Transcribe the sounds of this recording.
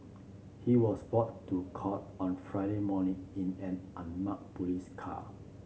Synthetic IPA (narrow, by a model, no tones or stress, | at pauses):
hiwɔsbɔtːukʰɔt̚ | ɔ̃nfɹaɪɾemɔnĩŋĩnɛ̃nʔãnmak̚puliskʰa̰